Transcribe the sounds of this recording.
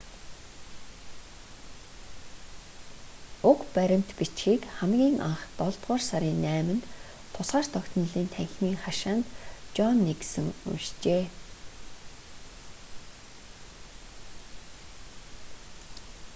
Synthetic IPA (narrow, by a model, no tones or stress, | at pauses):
ʊkpæɾʲɪ̆m̥t̪pit͡ɕxiːkχæmɡʲiːŋʔa̰ɴχt̪ɔɮt̪ʁʊːrsaɾʲiːnːæːmɘ̆nt̪ | t̪ʰːʊsʁaːrt̪ʰɔkt̪ʰɞ̆n̆ɮiːnt̪ʰæɣʲɪ̆ɮmiːŋχaʃaːnt̪t͡ɕɔnːeksɘ̆ŋṵnʃt͡ɕeː